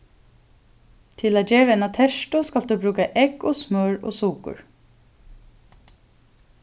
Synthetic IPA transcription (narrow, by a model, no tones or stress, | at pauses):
t̪ʰɪlaːd͡ʒeːɹɛnat̪ʰɛʃt̪ʊskɑld̪ʉːbɾʉːkaʔɛkoːsmœːɹo̰ːsuːkʊ̰ɹ